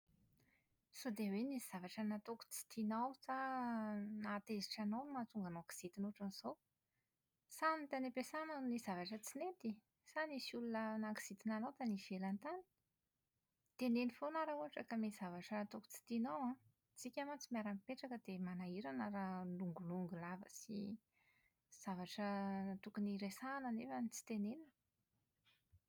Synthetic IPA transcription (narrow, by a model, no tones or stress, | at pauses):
sod̪eweniiz̥avaʈ͡ʂənat̪oku̥t͡si̥t̪inawsa | nat̪eziʈ͡ʂanawnmat̪uŋɡanoki̥z̥it̪inuʈ͡ʂaniz̥ow | sanit̪anepesananizavaʈ͡ʂət͡sinet̪i | sanisulunənaki̥sit̪inanowt̪aniv̥elant̪ani̥ | t̪enenifonaɾauɦaʈ͡ʂakəmez̥avaʈ͡ʂət̪oku̥t͡si̥t̪inowã | t͡sikʲamant͡simiaɾamipeʈ͡ʂakəd̪emanaiɾanəɾaluŋɡuluŋɡulavə̰si | z̥avaʈ͡ʂət̪ukuniɾesanənefənit͡si̥t̪enenə